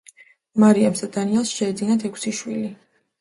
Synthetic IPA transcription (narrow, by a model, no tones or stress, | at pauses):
maɾiamsad̪aniɛlˠsʃɛːd̪zinat̪ʰɛkʰsiʃwili